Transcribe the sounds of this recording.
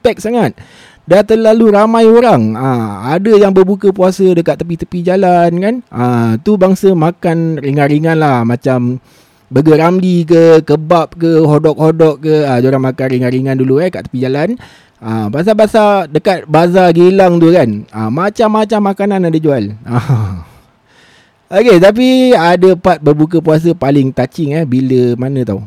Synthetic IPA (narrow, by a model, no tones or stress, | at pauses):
pɛk̚saŋat̪̚ | dat̪əlaluɾamãjoɾaŋəadəjaŋbərbukəpuasədəkat̪ːəp̬it̪əpid͡ʒalankanət̪ubaŋsəmakanriŋaɾiŋanlahmãt͡ʃam | bəɡəɾamlik̬əkəbap̚kəɦodɔk̚hodɔʔ̚kəəd͡ʒoɾaŋmakanriŋaɾiŋãnduluakaʔt̪əpid͡ʒalan | əbas̬abasadəkat̪̚bas̬aɡilaŋt̪ukanəmat͡ʃamːat͡ʃamːakanãnadəd͡ʒuala | ʔoket̪ap̬iadəpat̪̚bərbuk̬əpuas̬əpalɪŋt̪at͡ʃɪŋɛhbiləmanə̃t̪aw